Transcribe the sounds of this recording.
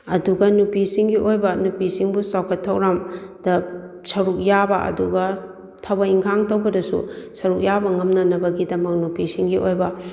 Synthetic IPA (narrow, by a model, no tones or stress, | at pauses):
ɐduɡɐnupisiŋɡiʔojbɐnupisiŋbusawkʰɐtʰːɐwɾamdɐ | sɐɾuk̚jabɐʔɐ̰duɡɐ | tʰɐbɐiŋkʰaŋtɐwbɐdɐsṵsɐɾuk̚jabɐŋɐmnɐnɐbɐɡidɐmɐk̚nupisiŋɡiʔojbɐ